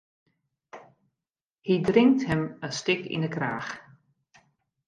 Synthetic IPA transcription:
hidrɪŋk̚thəmənstɪkḭndəkraːx

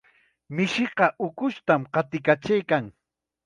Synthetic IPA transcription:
mɪʃɪqɑʔʊkʊʃt̪amqɑt̪ɪkat͡ʃajkaŋ

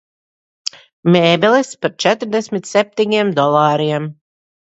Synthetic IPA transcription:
meːbɛlˠispaɾt͡ʃæt̪ɾd̪ɛsʲmʲit̪sʲɛp̚ʲt̪ʲiɲiɛmd̪ɔlˠɑːɾiɛm

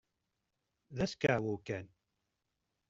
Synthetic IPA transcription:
ðæskʕawukæn

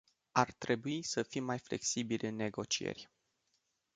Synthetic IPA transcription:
art̪ɾe̞buisəfimːajfle̞̰ksibilʲɨnːe̞ɡo̞t͡ʃiḛrʲ

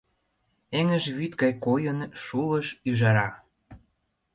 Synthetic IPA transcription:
eŋə̆ʒβyt̪ɡɑjkojənʃuləʃyʒɑɾɑ

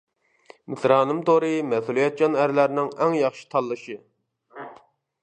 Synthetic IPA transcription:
mɪsɾɑːnɨmt̪oɾɨmɛθulˠijɛt̪̚d͡ʒɑnæɾlæɾnɪŋɛŋjɑχʃi̥t̪ʰɑlˠːɨʃɨ

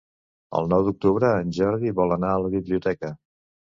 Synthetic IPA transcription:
ə̰lˠnɔwd̪uk̚t̪uβɾəːnʲʒɔɾðiβɔlˠənaələβiβliut̪ɛkə

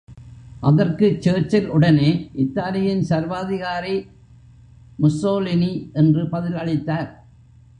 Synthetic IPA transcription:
ʔɐðɐrkɯt͡ʃːeːt͡ʃːɪlʊɽɐneːʔɪt̪ːaːlɪjɪnsɐɾʋaːðɪɣaːɾi | mʊsoːlɪniʔɛndrɯpɐðɪlɐɭɪt̪ːaːɾ

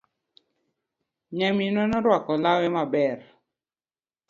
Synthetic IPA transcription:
ɲɛminɔnɔɾwakɔlawɛmabɛr

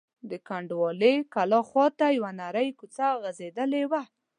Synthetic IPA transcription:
d̪əkaɳɖwɑlekalɑxwɑt̪ajawanaɾəjkut͡saɣazed̪əlewa

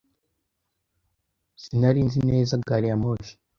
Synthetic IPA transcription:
sinaɾiːnzineːzaɡaɾijamoːʃi̥

